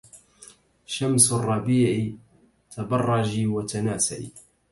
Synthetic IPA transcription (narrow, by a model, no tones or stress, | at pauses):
ʃamsarˤːɑbiːʕ | t̪ʰabɑrˤːɑd͡ʒiːwat̪anaːsa̰ʔḭ